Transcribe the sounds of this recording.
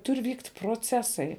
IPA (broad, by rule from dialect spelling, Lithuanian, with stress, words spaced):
ˈtʊrʲ ˈʋʲiːktʲ proːˈt͡sʲæːsɐɪ